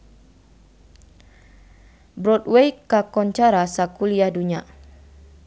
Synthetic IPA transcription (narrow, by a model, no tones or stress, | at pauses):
bɾɔtwejkakɔɲt͡ʃaɾasakuliahduɲa